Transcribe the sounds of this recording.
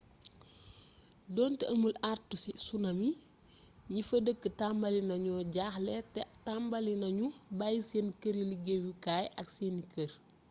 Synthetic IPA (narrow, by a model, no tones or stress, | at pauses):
dɔːntɛʔəmulartːusisunɐmi | ɲifədəkːətambɐlinɐɲɔːɟaːxlɛtɛtambɐlinɐɲubajseːnkəɾiliɡewukaːjʔɐkseːnikər